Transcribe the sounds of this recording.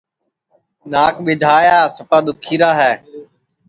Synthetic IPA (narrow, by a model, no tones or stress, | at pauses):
naːkɓɪd̪ʱaːjaːsəpaːd̪ʊkʰiːɾaːɦɛː